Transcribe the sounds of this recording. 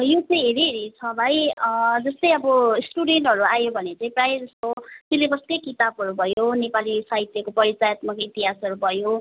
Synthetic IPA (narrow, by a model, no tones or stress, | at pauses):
jot͡sʌj̃ɦeɾiɦeɾit͡sʰʌbʱajd͡zʌst̪ʌjʌbʌsʈuɖeɳʈɦʌɾuajobʱʌnet͡sʌ̃ĩprajd͡zʌst̪ot̪ilebʌskʌjkit̪abɦʌɾubʱʌjonepalisaɦit̪jʌkopʌɾit͡sajʌt̪makoit̪iɦasʌɾubʱʌjo